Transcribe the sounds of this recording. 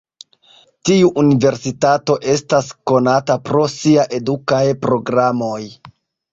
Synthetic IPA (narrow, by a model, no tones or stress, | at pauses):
tiuʔunive̞ɾsitato̞ʔe̞stasko̞natapɾo̞siaʔe̞dukajpɾo̞ɡɾamo̞j